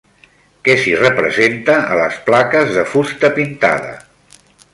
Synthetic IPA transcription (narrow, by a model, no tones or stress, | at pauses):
kɛsirəpɾəzent̪əːləsplakəzðəfust̪əpint̪a̰ðə̰